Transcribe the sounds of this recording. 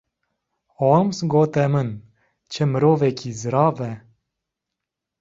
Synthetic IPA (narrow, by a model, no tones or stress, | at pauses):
omsɡoːt̪ɛmən | t͡ʃʰəmɨɾoːvɛkiːzɨɾɑːvɛ